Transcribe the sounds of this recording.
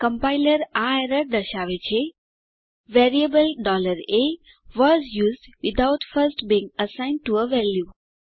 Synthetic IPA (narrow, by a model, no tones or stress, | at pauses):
kə̃mpaɪləɾaɾəɾd̪əʃaʋet͡ʃʰe | ʋɛɾiəbəlɖɔləɾe | ʋɔzjuːzɖʋid̪awtfəɾsʈbĩːŋɡəsãɪ̃nɖ̚ʈuəʋɛlju